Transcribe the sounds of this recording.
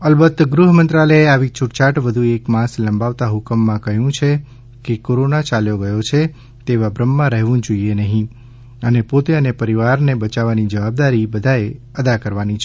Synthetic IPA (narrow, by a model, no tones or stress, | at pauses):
əlbət̪ːɡɾuɦmənt̪ɾaləeaʋit͡ʃʊʈt͡ʃaʈʋəd̪ʱuekmãsləmbaʋt̪aɦʊkəmːãkəɦjũt͡ʃʰe | kekoɾonat͡ʃaljoɡəjot͡ʃʰe | t̪eʋabɾəmːãɾəɦʋũd͡ʒoienəɦĩ | ənepot̪eənepəɾiʋaɾnebət͡ʃaʋanid͡ʒəʋab̚d̪aɾibəd̪ʱae | əd̪akəɾʋanit͡ʃʰe